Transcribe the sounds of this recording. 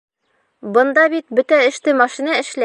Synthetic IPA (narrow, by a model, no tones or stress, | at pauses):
bɤ̆nd̪ɑbit̪̚bɵt̪æɘ̆ʃt̪ɘmɑʃinɑɘ̆ʃlæ